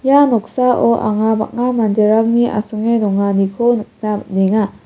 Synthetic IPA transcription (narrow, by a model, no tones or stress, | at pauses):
janɔk̚saʔoʔa̰ŋaba̰k̚ŋamandeɾak̚niʔa̰suŋedɔŋanikʰonnaneŋa